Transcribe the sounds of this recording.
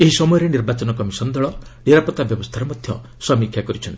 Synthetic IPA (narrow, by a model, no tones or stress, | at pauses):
eɦisɔmɔjɔɾeniɾbat͡ʃɔnɔkɔmisɔnd̪ɔɭɔneɾapɔt̪abjɔbɔst̪ʰaɾɔmɔd̪ʱjɔ | sɔmikʰjakɔɾit͡ʃʰɔnt̪i